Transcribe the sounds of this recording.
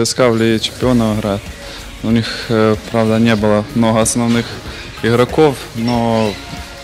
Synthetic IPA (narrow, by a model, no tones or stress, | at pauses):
ɪskavlʲit͡ʃɪ̥mpʲɪonɐwɨɣɾat̪ | ʊnʲixpɾawd̪ɐnʲebɨlˠɐmnɔɦɐːsnɐwnɨx | ɪɣɾɐkof | nɔ